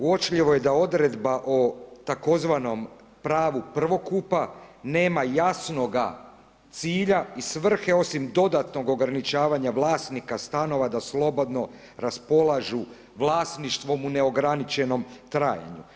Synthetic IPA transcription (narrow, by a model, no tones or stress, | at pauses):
uot͡ʃʎiʋo̞je̞d̪ao̞d̪ɾe̞d̪baʔot̪ako̞zʋano̞m | pɾaːʋupr̩ʋo̞kupane̞ːmajasno̞ɡa̰ | t̪siːʎaisʋr̩xe̞o̞simd̪o̞d̪at̪no̞ɡo̞ɡɾanit͡ʃaːʋaɲaʋlˠaːst̪nikast̪ano̞ʋad̪aslˠo̞bo̞d̪no̞ | ɾaspo̞lˠaʒu | ʋlˠaːsniʃt̪ʋo̞mune̞o̞ɡɾanit͡ʃe̞no̞mt̪ɾaːja̰ɲu